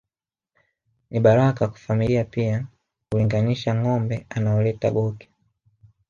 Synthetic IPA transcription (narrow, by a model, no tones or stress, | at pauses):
niɓaɾakakḁfamiliapia | kuliŋɡaniʃaŋɔmbɛanaɔlɛta̰ɓɔkɛ̥